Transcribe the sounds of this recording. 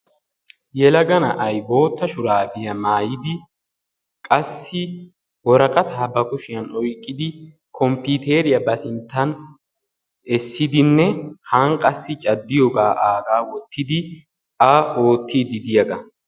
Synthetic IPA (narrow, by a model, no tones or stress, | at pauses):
jɛlɐɡɐnɐʔɐjbo̞ːt̪ːɐʃʊɾaːbɪjɐmaːjɪd̪ɪ | kʼɐsːɪ | wɔɾɐkʼɐt̪ʰaːbɐkʊʃɪjɐnɔjkʼːɪd̪ɪ | kʰɔmput̪eːɾɪjɐbɐsɪnt̪ːɐn | ɛsːɪd̪ɪnːɛhɐŋkʼɐsːɪt͡ʃʼɐd̪ːɪjɔɡaːʔaːɡaːwɔt̪ːɪd̪ɪ | ɐʔo̞ːt̪ʰːiːd̪ɪd̪ɪjɐɡɐ